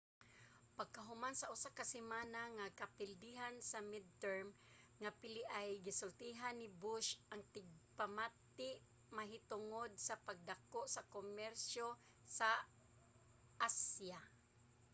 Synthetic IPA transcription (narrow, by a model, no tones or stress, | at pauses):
paɡ̚kaɦʊmansaʔʊsakasɪmaːnaŋakapɪld̪iɦansamɪd̪̚t̪ɛɹm | ŋapɪlɪʔajɡɪsʊlt̪iɦanːɪbʊʃʔaŋt̪ɪɡ̚pamat̪ɪʔ | maɦɪt̪ʊŋod̪̚sapaɡ̚d̪akoʔsakomɛɾsjo | sa | ʔasja